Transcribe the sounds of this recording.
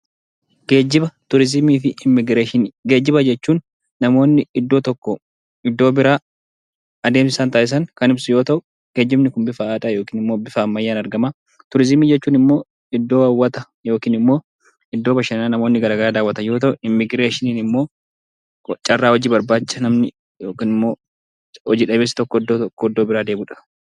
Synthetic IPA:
ɡ̥eːd͡ʒːɪbɐt̪ʊɾɪzɪmiːfɪɪmːɪɡɾeːʃɪnɡe̞ːd͡ʒːɪbɐd͡ʒɛt͡ʃːuːnː | ɐmo̞ːnːɪɪd̪ːo̞ːt̪ɔkːɔ | ɪd̪ːo̞ːbɪɾaː | ɐd̪e̞ːmɪsaːnt̪ɐʔɪs̬ɐŋkɐnɪbsʊjo̞ːt̪ɐʔʊ | ɡ̥e̞ːd͡ʒːɪmnɪkʊnbɪfɐaːᶑɐjo̞ːkiːnɪmːoːbɪfɐːmːɐjːaːnɐɾɡɐmaː | t̪ʊɾɪzɪmiːd͡ʒɛt͡ʃːuːnɪmːo̞ː | ɪd̪ːo̞ːɐwːɐt̪ɐ | jo̞ːkiːnɪmːoː | ɪd̪ːoːbɐʃɐnnaːnɐmo̞ːnːɪɡɐɾaːɡɐɾaːd̪aːwɐt̪ɐjo̞ːt̪ɐʔʊɪmːɪɡɾe̞ːʃɪniːnɪmːoː | t͡ʃʼɐrːaːhɔd͡ʒiːbɐɾbaːt͡ʃːɐnɐmnɪ | joːkiːnɪmːo̞ː | hɔd͡ʒiːᶑɐbeːsɪ̥t̪ɔkːɔɪd̪ːoːt̪kːɔɪd̪ːoːbɪɾaːd̪eːbʊᶑɐ̥

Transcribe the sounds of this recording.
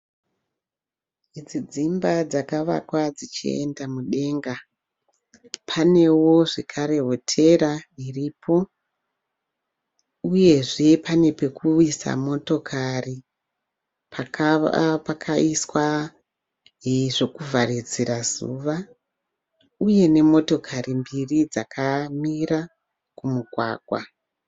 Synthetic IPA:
id͡zid͡zimbad͡zakaʋa̰kwad͡zit͡ʃḭe̞̰ndamuɗe̞ŋɡa | pʰane̞wo̞ʐekʰaɾe̞ɦotʰe̞ɾairiːpʰo̞ | uje̞ʐe̞pane̞pe̞kuisa̰mo̞to̞kʰari | pʰakpakʰaiswa | iʐo̞kuvʱarid͡zirazṵːʋa | uje̞ne̞mo̞to̞kʰaɾimbirid͡zakʰamira | kumuɡʱwa̰ːɡʱwa̰

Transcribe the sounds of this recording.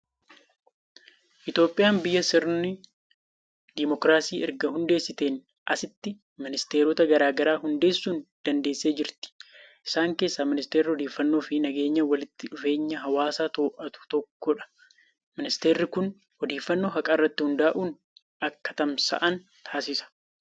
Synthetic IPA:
ʔɪt̪jo̞ːpʼːɪjaːmbɪjːɐsɪɾnɪ | d̪ɪmɔkɾaːsiːɛɾɡɐhʊnd̪e̞ːsːɪt̪eːn | ʔɐsɪt̪ːɪ | mɪnɪst̪e̞ːɾɔt̪ɐɡɐɾaːɡɐɾaːɦʊnd̪e̞ːsːuːnd̪̥ɐnd̪e̞ːsːe̞ːd͡ʒɪɾt̪ɪ̥ʔɪsaːŋke̞ːsːaːmɪnɪst̪eːɾːɪɔd̪eːfːɐnːo̞ːfɪnɐɡe̞ːɲːɐwɐlɪt̪ːɪᶑʊfe̞ːɲːɐɦɐwaːsaːt̪o̞ːʔɐt̪ʊ̥t̪ɔkːɔᶑɐ̥ | mɪnɪst̪e̞ːɾːɪkʊn | ɔd̪eːfːɐnːo̞ːɦɐkʼɐɪrːɐt̪ːɪhʊnd̪aːʔuːn | ɐkːɐ̥t̪ɐmsɐ̰ʔɐn | t̪ʰaːsɪsɐ̥

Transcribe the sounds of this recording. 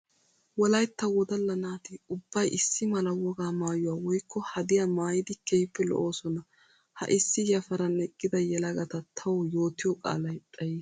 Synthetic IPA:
wɔlɐjt̪ːɐwɔd̪ɐlːɐnaːt̪ɪʊbːɐjʔɪsːɪmɐlɐwɔɡaːmaːjʊwaːwɔjkʰːɔhɐd̪ɪjamaːjɪd̪ɪkʰɛjpːɛlɔ̰ʔo̞ːsɔnɐ | hɐ̰ʔɪsːɪjɐfɐɾɐnɛkʼːɪd̪ɐjɛlɐɡɐt̪ɐt̪ʰɐwɔjo̞ːt̪ɪjɔkʼa̰ːlɐjtʼɐjiː

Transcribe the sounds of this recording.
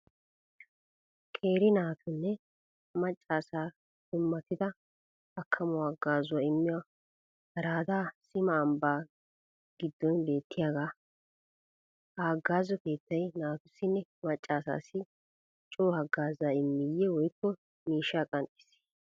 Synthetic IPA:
kʼe̞ːɾɪnaːt̪ʰʊnːɛ | mɐt͡ʃʼːaːsaː | sɪmːɐt̪ɪd̪ɐ | ɐkʰːɐmʊwaːɡaːzʊwaɪmːɪwaː | bɐɾaːd̪aːsɪmɐːmbaː | ɡ̥ɪd̪ːɔnbe̞ːt̪ʰːɪjaːɡaː | hɐɐɡːaːzɔke̞ːt̪ːɐjnaːt̪ʊsːɪnːɛmɐt͡ʃʼːaːsa̰ːsɪ | t͡ʃʼoːhɐɡːaːzaːɪmːɪjːɛwɔjkːɔ | miːʃːaːkʼɐnt̪ʼɪ̥s

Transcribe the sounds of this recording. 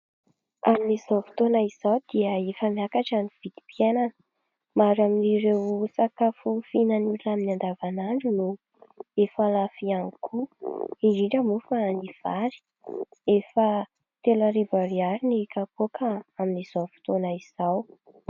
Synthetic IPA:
aminiz̥awfi̥t̪onaiz̥awd̪iəefəmiakaʈ͡ʂaniv̥id̪̥i̥pjenan | maɾaminiɾewsakafufinanulaminand̪avanaɳɖ͡ʐunu | efalafianikʰuiɾiɳɖ͡ʐamufaniv̥aɾi̥ | efə | t̪elaɾibaɾiaɾinikakokʰaaminiz̥afi̥t̪onaiz̥aw

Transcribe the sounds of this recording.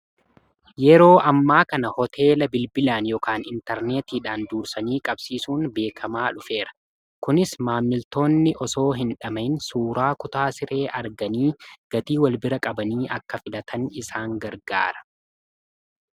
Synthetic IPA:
jɛɾo̞ːʔɐmːaːkɐnɐhɔt̪ʰe̞ːlɐbɪlbɪlaːnjɔkaːnɪnt̪ɛɾneːt̪iːᶑaːnd̪uːɾsɐniːkʼɐb̥siːsuːnbe̞ːkʰɐmaːᶑʊfe̞ːɾɐ̥ | kʊnɪsmaːmːɪlt̪o̞ːnːɪʔɔso̞ːɦɪnᶑɐmɐɪnsuːɾaːkʊt̪aːsɪɾe̞ːʔɐɾɡɐniːɡ̥ɐt̪iːwɐlbɪɾɐkʼɐbɐniːʔɐkːɐfɪlɐt̪ʰɐnɪsaːŋɡɐɾɡa̰ːɾɐ̥

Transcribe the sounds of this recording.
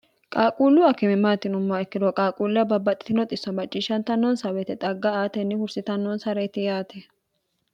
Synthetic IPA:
kʼaːkʼuːlːʊɐkɪmɪmaːt̪ːɪnʊmːaɛkːɪd̪ɔkʼaːkʼuːlːɪɐbɐbːɐt̪ʼɪ̥t̪ɪnɔt̪ʼɪsːɔnbɐt͡ʃʼːiːʃɐnt̪ɐnːɔnsɐwɛt̪ɛt̪ʼɐɡːɐaːt̪ɛnːɪhʊɾsɪt̪ɐnːɔnsɐɾɛjt̪ɪjaːt̪ɛ

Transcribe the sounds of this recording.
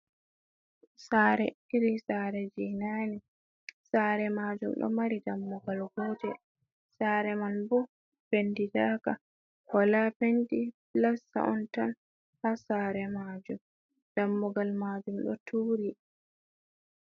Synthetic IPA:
saːɾɛiɾisaːɾɛd͡ʒinani | saːɾɛmaːd͡ʒumɗɔ̰maɾidamːuɡalɡɔdɛ | saːɾɛmanbu | pendidaːka̰ | kɔlapendiplasa̰ʔɔntan | hasaːɾɛmad͡ʒum | d̥amːɔɡalmaːd͡ʒumɗɔ̰tʰuːɾi

